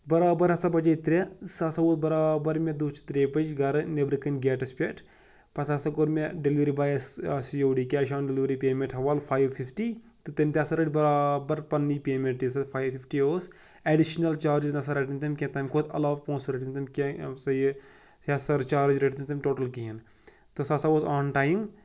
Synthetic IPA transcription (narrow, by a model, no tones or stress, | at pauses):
bɐɾaːbɐɾɐsɐbɐd͡ʒet̪ɾʲesɐsɐoːt̪̚bɐɾaːbɐɾmʲed̪ut͡ʃt̪ɾeːpɐd͡ʒɡɐɾnebɾikɐnɡeːʈɐspʲeʈ | pɐt̪ʰɐsɐkoɾmeɖeliʋɾiːbaːjssijoːɖiːkʲɛːʃaːnɖeliʋɾipeːmẽɳʈɦɐʋaːlfʰaːjʋfʰifʈiː | t̪ɨt̪ɐmʲt̪ʲesɐɾɐʈʲbɐɾaːbɐɾpɐnːipeːmẽɳʈːisɐfʰaːjʋfifʈioːs | eɖiʃnɐlt͡ʃaːɾid͡ʒnɐsɐɾɐʈinʲt̪ɐmʲkʲẽt̪ɐmʲkʰod̪ɐ̰laːʋpõːnsɾɐʈint̪ɐmkʲesɐj | sasɐɾt͡ʃaːɾd͡ʒɾɐʈinnt̪ɐmʲʈoːʈɐlkiɦin | t̪osɐsaʋoːzaːnʈaːjiŋɡ